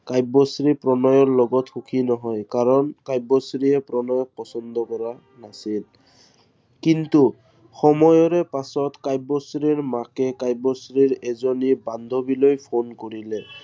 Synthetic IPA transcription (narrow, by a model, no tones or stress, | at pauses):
kajbɔsɹipɹɔnɔjɔɹlɔɡɔtxukʰinɔɦɔjkaɹɔnkajbɔsɹiɛpɹɔnɔjɔk̚pɔsɔnd̪ɔkɔɹa | nasil | kintu | xɔmɔjɔɹɛpasɔtkajbɔsɹiɹmakɛkajbɔsɹiɹɛzɔniband̪ʱobilojpʰonkoɹilɛ